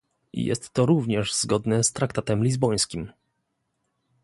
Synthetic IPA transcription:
ḭjɛ̰st̪ːɔɾuvɲɛʐz̥ɡɔd̪nɛst̪ɾakt̪at̪ɛmlʲizbɔj̃skʲim

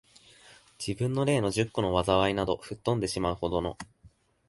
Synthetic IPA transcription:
d͡ʑibɯ̟̃nːo̞ɾe̞ːno̞ʑɨkːono̞βazaβ̞ainad̪o̞ɸɯ̟t̪ːõ̞nd̪e̞ɕimaɯ̟ho̞d̪o̞no̞̰

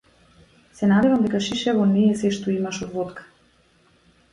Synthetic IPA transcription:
sɛnad̪ɛvamd̪ɛkaʃiʃɛvɔnɛɛsɛʃt̪ɔimaʃɔd̪vɔt̪kḁ

